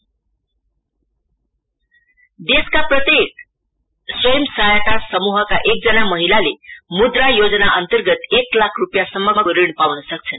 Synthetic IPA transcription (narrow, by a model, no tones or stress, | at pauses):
d̪eskapɾət̪ek̚ | sʋəjəmsəɦajat̪asəmuɦakaʔek̚d͡zənaməɦilalemud̪ɾajod͡znaʔənt̪əɾɡət̪eklakʰɾupjasəməməɾiɳpaʋnəsək̚t͡sʰən